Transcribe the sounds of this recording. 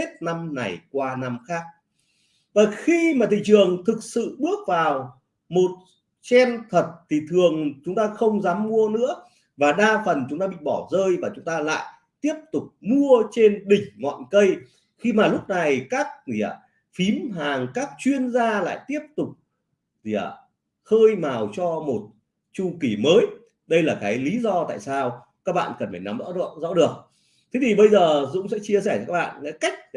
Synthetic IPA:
e˦˥t̚na˧mna˨˩jkwaː˧na˧mxaː˦˥k̚ | vaː˨˩xi˧maː˨˩t̪ʰḭ˧˨t͡ɕɨ˨˩əŋt̪ʰɨ˨˩k̚sɨ̰˧˨ɓɨ˦˥ək̚vaː˨˩w | mo˨˩t̚ | t͡ɕɛ˧nt̪ʰə˨˩t̚t̪ʰi˨˩t̪ʰɨ˨˩əŋt͡ɕʊ˨˦ŋ͡mt̪aː˧xə˧wŋ͡mzaː˨˦mːu˧ənɨ̰˧˥ə | vaː˨˩ɗaː˧fə˨˩nt͡ɕʊ˨˦ŋ͡mt̪aː˧ɓḭ˧˨ɓɔ˧˩zəː˧jvaː˨˩t͡ɕʊ˨˦ŋ͡mt̪aː˧la̰ː˧˨j | t̪i˦˥əp̚t̪ʊ˨˩k͡p̚mu˧ət͡ɕe˧nɗï˨˩ŋ̟ŋɔ̰˧˨nkə˧j | xi˧maː˨˩lʊ˦˥k͡p̚na˨˩jkaː˦˥k̚zi˧˩ə˨˩ | fi˨˦mɦaː˨˩ŋkaː˦˥k̚t͡ɕwi˧ənzaː˧la̰ː˧˨jt̪i˦˥əp̚t̪ʊ˨˩k͡p̚ | zi˧˩ə˩ | xəː˧jmaː˨˩wt͡ɕɔ˧mo˨˩t̚ | t͡ɕu˧ki˧˩məː˨˦j | ɗə˧jlaː˨˩kaː˨˦jli˨˦zɔ˧t̪a̰ː˧˨jsaː˧w | kaː˦˥k̚ɓa̰ː˧˨nkə˨˩nfaː˧˩na˨˦mzɔ̰˧˥˧zɔ̰˧˥ɗɨ˨˩ək̚ | t̪ʰe˨˦t̪ʰi˨˩ɓə˧jzəː˨˩zʊ̰˧˥ŋ͡msɛ̰˧˥t͡ɕi˧əsɛ˧˩˧ka˦˥kɓa̰ː˧˨nŋa̰˧˥ka˦˥jk̟̚

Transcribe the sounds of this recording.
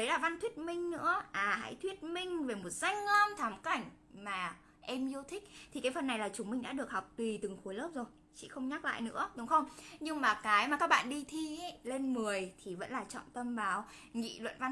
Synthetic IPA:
ɗə˨˦jlaː˨˩va˧nt̪ʰwi˦˥ət̚mï˧ŋ̟nɨ̰˧˥əʔaː˨˩ɦa̰˧˥jt̪ʰwi˦˥ət̚mï˧ŋ̟ve˨˩mo˨˩t̚z̥a˧jŋ̟ːə˧mt̪ʰaː˨˦mka˨˩jŋ̟ | maː˨˩ | ʔɛ˧mzt̪ʰï˦˥k̚t̪ʰi˨˩kaː˨˦jfə˨˩nːa˨˩jlaː˨˩t͡ɕʊ˨˦ŋ͡mmï˧ŋ̟ɗa̰ː˧˥ɗɨ˨˩ək̚hɔ˨˩wk͡p̚t̪i˨˩t̪ɨ˨˩ŋxu˨˦jləː˦˥p̚zo˨˩j | t͡ɕḭ˧˥˨xə˧wŋ͡mɲaː˦˥k̚la̰ː˧˨jnɨ̰˧˥əɗʊ˨˦ŋ͡mxə˧wŋ͡mɲɨ˧ŋmaː˨˩kaː˨˦jma˨˩kaː˦˥k̚ɓa̰ː˧˨nɗi˧t̪ʰi˧e˨˦le˧nmɨ˨˩əjt̪ʰi˨˩və̰˧˥nlaː˨˩t͡ɕɔ̰˧˨ŋ͡mt̪ə˧mɓaː˨˦w | ŋḭ˧˨lwə̰˧˨nva˧n

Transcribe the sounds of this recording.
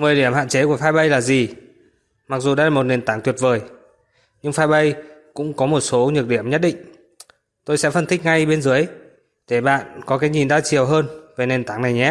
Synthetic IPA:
mɨ˨˩əjɗi˧˩əmha̰ː˧˨nt͡ɕe˨˦ku˧˩əfaː˧jɓə˧jlaː˨˩zi˨˩ | ma˨˩k̚zu˨˩ɗa̰˧jlaː˨˩mo˨˩t̚ne˨˩nt̪aː˨˦ŋt̪wət̚vəː˨˩j | ɲɨ˧ŋfaː˧jɓə˧jkʊ̰˧˥ŋ͡mkɔ˨˦mo˨˩t̚so˨˦ɲɨ˨˩əɗi˧˩əmɲə˦˥t̚ɗḭ˧˨ŋ̟ | t̪o˧jsɛ̰˧˥fə˧nt̪ʰï˦˥k̟̚ŋa˧jɓe˧nzɨ˨˦əj | t̪ʰe˧˩ɓa̰ː˧˨nkɔ˨˦kaː˨˦jɲi˨˩nɗa̰ː˧˥t͡ɕi˨˩əwɦəː˧nve˨˩ne˨˩nt̪aː˨˦ŋna˨˩jŋɛ˦˥

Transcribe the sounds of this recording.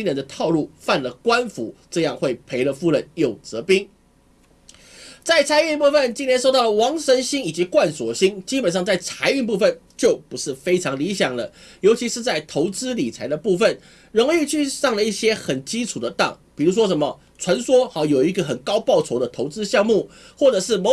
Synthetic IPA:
i˥nɛ˧˥nd̪ə˧t̪ʰɑ˥˧ʊlu˥˩fa˥˩nlə˩kwa˥nfu˨˥ʈ͡ʂɤ˥˧jɑ˥˧ŋxwe˥˩ɪpʰe˧˥ɪlə˧fu˥˧lə˥˧njo˥˩ʊt͡sɤ˧˥pi˥ŋ | t͡sa˥˩ɪt͡sʰa˧˥ɪy˥˧npu˥˩fə˨˩nt͡ɕi˥njɛ˧˥nʂo˥˧ʊt̪ɑ˥˩ʊ˧wɑ˧˥ŋʂə˧˥nɕi˥ŋi˨˩t͡ɕi˧˥kwa˥˩nswɔ̰˨˩ɕi˥ŋt͡ɕi˥pə˨˩nʂ̬ɑ˥˧ŋt͡sa˥˩ɪt͡sʰa˧˥ɪy˥˧npu˥˧˩fə˥˨n | t͡ɕjo˥˩ʊpu˧˥ʂɻ̩˥˩fe˥ɪʈ͡ʂʰɑ˧˥ŋli˧˥ɕjɑ˨˩ŋlə˦jo˧˥ʊt͡ɕʰi˧˥ʂɻ̩˥˧t͡sa˥˩ɪt̪ʰo˧˥ʊt͡sɹ̩˥li˨˩t͡sʰa˧˥ɪd̪ə˧pu˥˧fə˥˩n | ɻʊ˧˥ŋi˥˧t͡ɕʰy˥˧ʂɑ˥˩ŋlə˩i˥˩ɕjɛ˥xə˨˩nt͡ɕi˥ʈ͡ʂʰu˨˩d̪ə˦t̪ɑ˥˩ŋpi˨˩ɻu˧˥ʂ̬wɔ˥ʂ̬ə˧˥nmə˨ | t͡sʰwa˧˥nswɔ˥xɑ˧˥jo˨˩ʊi˧˥ɡə˧˩xə˨˩nkɑ˥ʊpɑ˥˩ʊʈ͡ʂʰo˧˥ʊd̪ə˧t̪ʰo˧˥ʊt͡sɹ̩˥ɕjɑ˥˧ŋmu˥˩xwɔ˥˩ʈ͡ʂɤ˨˩ʂɻ̩˥˩mo˧˥

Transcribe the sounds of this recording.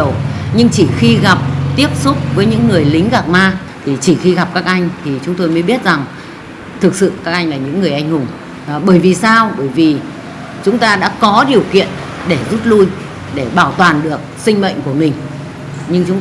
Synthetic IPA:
wɲɨ˧ŋt͡ɕi˧˩xi˧ɣa˨˩p̚t̪i˦˥əp̚sʊ˦˥k͡p̚vəː˨˦jɲɨ̰˧˥ŋːɨ˨˩əjlï˨˦ŋ̟ɣaː˨˩k̚maː˧ | t̪ʰi˨˩t͡ɕi˧˩xi˧ɣa˨˩p̚kaː˦˥k̚ʔa˧jŋ̟t̪ʰi˨˩t͡ɕʊ˨˦ŋ͡mt̪o˧jməː˨˦ɓi˦˥ət̚za˨˩ŋ | t̪ʰɨ˨˩k̚sɨ̰˧˨kaː˦˥k̚ʔa˧jŋ̟laː˨˩ɲɨ̰˧˥ŋːɨ˨˩əjʔa˧jŋ̟hʊ˨˩ŋ͡m | ɓəː˧˩jvi˨˩saː˧wɓəː˧˩jvi˨˩ | t͡ɕʊ˨˦ŋ͡mt̪aː˧ɗa̰ː˧˥kɔ˨˦ɗi˨˩əwkḭ˧˨ən | ɗe˧˩zu˦˥t̚lu˧j | ɗe˧˩ɓaː˧˩wt̪waː˨˩nɗɨ˨˩ək̚sï˧ŋ̟mə̰˧˨jŋ̟ku˧˩əmï˨˩ŋ̟ | ɲɨ˧ŋt͡ɕʊ˨˦ŋ͡m

